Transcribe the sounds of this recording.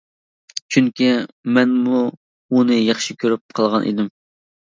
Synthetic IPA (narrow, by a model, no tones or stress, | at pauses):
t͡ʃʰyŋkʲimɛnmu | unɨjɑχʃikʲʰøɾyp̚qʰɑlˠʁɑnʔḭd̪ɪm